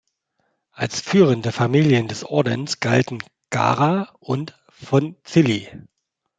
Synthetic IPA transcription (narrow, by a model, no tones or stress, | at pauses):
ʔalsfyːʁəndəfamiːljəndɛsʔɔɐdənsɡ̥altn̩ | ɡ̥a̰ːʁaʔʊnt | fɔnt͡sɪli